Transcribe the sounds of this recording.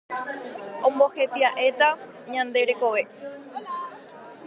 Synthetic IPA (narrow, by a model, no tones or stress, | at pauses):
õmbo̞he̞t̪iaʔet̪a | ɲãnd̪e̞ɾe̞ko̞ʋe̞